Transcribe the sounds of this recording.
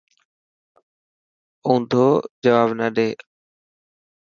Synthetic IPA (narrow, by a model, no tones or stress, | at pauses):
ũːnd̪ʱoːd͡ʒəʋaːbnəɗeː